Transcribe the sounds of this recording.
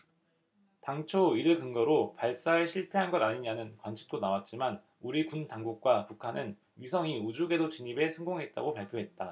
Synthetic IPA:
taŋt͡ɕʰoiɾɯkɯŋɡʌɾopaɭs͈aeɕʰiɭpʰeɦanɡʌɾaɲiɲanɯnkwant͡ɕʰi̥k̚t͈onawat̚t͡ɕ͈iman | uɾikuntaŋɡuk̚k͈wapukʰanɯn | ɥisʰʌŋiud͡ʑuɡe̞dot͡ɕiɲibe̞sʰʌŋɡoŋɦe̞t̚t͈a̰ɡopaɭpʰjoɦe̞t̚t͈a

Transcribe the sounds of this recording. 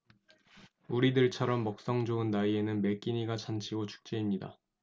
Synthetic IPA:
uɾidɯɭt͡ɕʰʌɾʌmːʌk̚s͈ʌŋd͡ʑoɯnːaie̞nɯnme̞k͈iɲiɡat͡ɕʰant͡ɕʰiɡot͡ɕʰu̥k̚t͡ɕ͈e̞imɲida̰

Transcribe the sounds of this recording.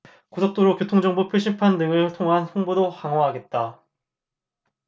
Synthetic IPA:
kosʰok̚t͈oɾokjotʰoŋd͡ʑʌŋbupʰjoɕʰimpʰandɯŋɯɭtʰoŋɦansoŋbodohaŋɦwaɦaɡe̞t̚t͈a

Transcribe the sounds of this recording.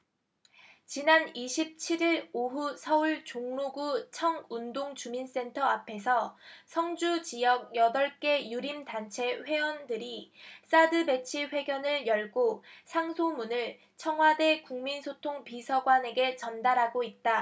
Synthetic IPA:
t͡ɕinaniɕʰip̚t͡ɕʰiɾiɾoɦusʰʌuɭt͡ɕoŋnuɡut͡ɕʰʌŋundoŋt͡ɕumins͈e̞ntʰʌapʰe̞sʰʌsʰʌŋd͡ʑut͡ɕijʌɡ̚jʌdʌɭk͈e̞juɾimdant͡ɕʰe̞ɸwe̞wʌndɯɾis͈adɯbe̞t͡ɕʰiɸwe̞ɡjʌnɯɭjʌɭɡosʰaŋsʰomunɯɭ | t͡ɕʰʌŋɦwade̞kuŋminsʰotʰoŋpisʰʌɡwane̞ɡe̞t͡ɕʌndaɾɦaɡoit̚t͈a

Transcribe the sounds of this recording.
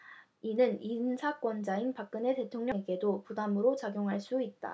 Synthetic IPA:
inɯninsʰak͈wʌnd͡ʑainpak̚k͈ɯne̞te̞tʰoŋɲʌŋeɡe̞dopudamɯɾot͡ɕaɡjoŋɦaɭs͈uit̚t͈a̰

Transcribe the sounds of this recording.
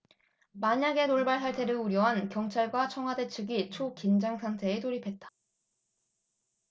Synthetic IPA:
maɲaɡe̞noɭbaɭsʰaɭtʰe̞ɾɯuɾjʌɦankjʌŋt͡ɕʰaɭɡwat͡ɕʰʌŋɦwade̞t͡ɕʰɯɡit͡ɕʰokind͡ʑaŋsʰantʰe̞ːtoɾipʰe̞t̚t͈ḁ

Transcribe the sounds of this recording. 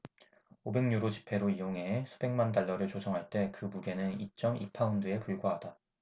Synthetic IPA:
obe̞ŋɲuɾot͡ɕi̥pʰe̞ɾoijoŋɦe̞ːsʰu̥be̞ŋmandaɭːʌɾɯɭt͡ɕosʰʌŋɦaɭt͈e̞kɯmuɡe̞nɯnit͡ɕ͈ʌmipʰaundɯe̞puɭɡwaɦad̥a

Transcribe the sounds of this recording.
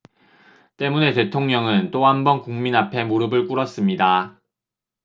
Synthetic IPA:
t͈e̞mune̞te̞tʰoŋɲʌŋɯnt͈ohambʌnkuŋminapʰe̞moɾɯbɯɭk͈uɾʌs͈ɯmɲida

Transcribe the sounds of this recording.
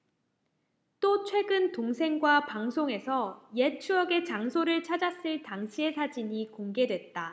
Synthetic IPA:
t͈ot͡ɕʰwe̞ɡɯntoŋsʰe̞ŋɡwapaŋsʰoŋe̞sʰʌje̞t͡ɕʰuʌɡe̞t͡ɕaŋsʰoɾɯɭt͡ɕʰad͡ʑas͈ɯɭtaŋɕʰie̞sʰad͡ʑiɲikoŋɡe̞dwe̞t̚t͈a

